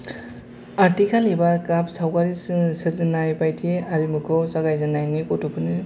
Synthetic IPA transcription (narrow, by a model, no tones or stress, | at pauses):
atikʰalebakapsawkaɾissɯɾzinajpajtʰiaɾimɯkʰɯwsaɡajzanajnikotupʰɯni